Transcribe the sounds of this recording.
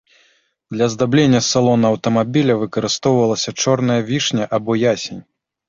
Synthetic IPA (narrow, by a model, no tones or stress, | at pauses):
d̪lʲɐzd̪ablʲenʲːɐsalˠɔnɐɐwt̪ɐmabʲilʲɐvɨkɐɾɨst̪ɔwvɐlˠɐsʲɐt͡ʂɔrnɐjɐvʲiʂnʲɐʔabɔjasʲenʲ